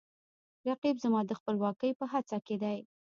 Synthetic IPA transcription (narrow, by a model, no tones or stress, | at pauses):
ɾaqibzamɑd̪əxpəlwɑkəjpəɦat͡saked̪aj